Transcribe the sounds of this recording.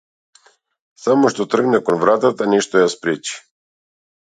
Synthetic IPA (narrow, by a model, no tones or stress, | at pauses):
samɔʃt̪ɔt̪r̩ɡnɛkɔnvɾat̪at̪aniʃt̪ɔjaspɾit͡ʃi̥